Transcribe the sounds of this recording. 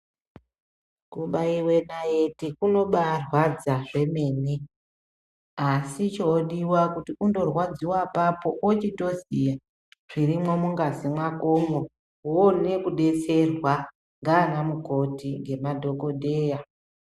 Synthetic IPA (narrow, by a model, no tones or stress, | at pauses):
kuɓaiwe̞najetikuno̞ɓarwad͡zaʐe̞me̞ːni | asit͡ʃoɗiwakutiundo̞rwad͡ziwapapo̞ʔot͡ʃito̞zija | ʐ̥irimwomuŋɡazimwakomo | one̞kuɗe̞t͡se̞rwa | ŋɡaːnamuko̞tiŋɡe̞madʱo̞ko̞dʱe̞ːja